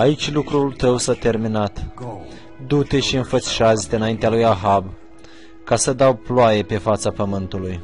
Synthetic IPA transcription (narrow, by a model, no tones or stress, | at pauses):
ait͡ʃʲlukɾult̪əwsat̪e̞rminat̪ | d̪ut̪e̞ʃiɨnfət̪si̥ʃazit̪eɨnaint̪ealujaɦab | kasəd̪awploaje̞pe̞fat̪sapəmɨnt̪uluj